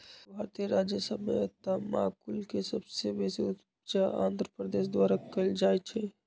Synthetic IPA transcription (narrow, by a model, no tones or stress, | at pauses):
bʱaɾt̪ijəɾad͡ʒjəsəbmḛt̪ama̰ːkulkesəbsebeseu | t͡ʃaã̰ːnd̪ʱɾəpɾəd̪eːs̬d̪waɾakəld͡ʒajt͡ʃʰɛ